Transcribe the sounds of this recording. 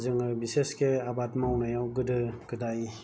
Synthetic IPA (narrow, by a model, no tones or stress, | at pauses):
zɯŋɯbiseskeabatmawnajawɡɯdɯɡɯdaj